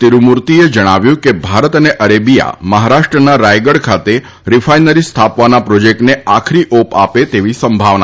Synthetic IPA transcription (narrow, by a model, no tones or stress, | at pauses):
t̪iɾumuɾt̪ied͡ʒəɽ̃aʋjũkebʱaɾət̪əneʔəɾebija̰məɦaɾaʃʈɾənaɾajɡəɽkʰat̪e | ɾifʰajnəɾist̪ʰapʋanapɾod͡ʒek̚ʈneakʰɾiʔopapet̪eʋisəmbʱaʋna